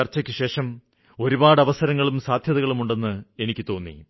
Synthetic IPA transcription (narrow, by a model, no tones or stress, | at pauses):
ɐrt͡ɕːɐkʲːɨɕe̞ːʂɐm | o̞ɾubaːɽɐʋɐsɐɾɐŋːɐɭumsaːd̪ʱjɐðɐɣɐɭumuɳɖe̞nːɨe̞nikʲːɨt̪o̞ːnːḭ